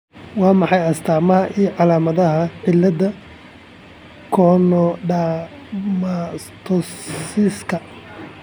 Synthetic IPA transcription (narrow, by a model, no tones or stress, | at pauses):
wɑːmɑħɑjɐst̪ʰaːmɐɦɐʔijʕɑlaːmɐðɐɦɐʕɪlːɐðɐ | kʰɔːnɔɖa | mast̪ʰɔsɪskʰɐ